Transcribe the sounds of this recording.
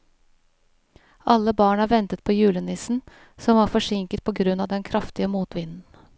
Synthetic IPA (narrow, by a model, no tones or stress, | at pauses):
ʔɑlːəbɑːɳɑːʋɛnt̪ət̪̚pʰoːjʉːlənɪsn̩ | sɔmʋɑːɾfɔʂɪŋkət̪̚pʰɔɡɾʉnːɑːʋd̪ɛnkʰɾɑft̪ɪəmuːt̪ʋɪnn̩